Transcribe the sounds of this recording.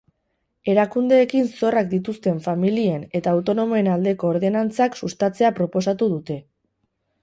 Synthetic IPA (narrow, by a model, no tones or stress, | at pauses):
e̞ɾakund̪e̞ːkinso̞rak̚d̪it̪̬ust̪e̞ɱfamilie̞ne̞t̪aːwt̪o̞no̞mo̞e̞nald̪e̞ko̞ːɾðe̞nant͡saksust̪at͡se̞apɾo̞po̞sat̪uðut̪e̞